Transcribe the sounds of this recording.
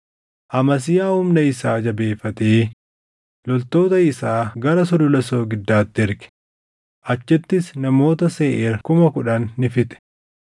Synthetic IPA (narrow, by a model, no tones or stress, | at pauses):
ʔɐmɐs̬ɪjaːhʊmnɐɪsaːd͡ʒɐbe̞ːfːɐt̪eː | lɔlt̪o̞ːt̪ɐɪsaːɡɐɾɐs̬ɔd̪ɔlɐso̞ːɡɪd̪ːaːt̪ːɪɪɾkɛ̥ | ʔɐt͡ʃːɛt̪ːɪsnɐmo̞ːt̪ɐse̞ːʔeːɾkʊmɐkʊᶑɐnːɪfɪt̪ɛ̥